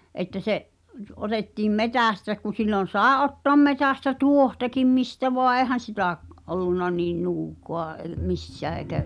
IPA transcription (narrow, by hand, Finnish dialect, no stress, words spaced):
etːæ seʔ otetːiːm metæˑstæ ku silːon̞ sɑˑe ʔotːoɑ̆m metæˑstæ tuohtɑkim mistæ ʋoɑ eːhæn̞ sitæʔ olːunːɑ niːn nuːkˑoɑ ei̞ misːæː eĭkæ